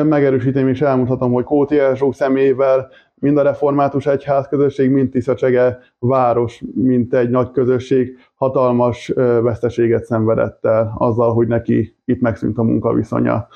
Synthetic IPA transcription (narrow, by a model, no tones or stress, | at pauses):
mɛɡɛɾøːʃ̬iːt̪eːmeːʃɛlmunt̪hɒt̪o̞mho̞ckoːt̪iɛʒoːksɛmeːjvɛl | mind̪ɒɾɛfo̞rmaːt̪uʃɛchaːskø̞zø̞ʃːeːɡmint̪ːisɒt͡ʃɛɡɛ | vaːɾo̞ʃmint̪ɛɟnɒckøzø̞ʃːeːɡ | hɒt̪ɒlmɒʃvɛst̪ɛʃeːɡɛt̪sɛɱvɛd̪ɛ̰t̪ːɛlɒ̰zːɒlɦo̞ɟnɛkḭ | it̪mɛksy̰nt̪ɒmṵŋkɒ̰vḭso̞̰ɲɒ̰